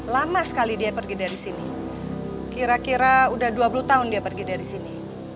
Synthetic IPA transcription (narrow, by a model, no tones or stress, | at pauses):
lamasə̥kalidiapərɡidaɾisini | kiɾakiɾaudahduapulut̪aʊndiapərɡidaɾisini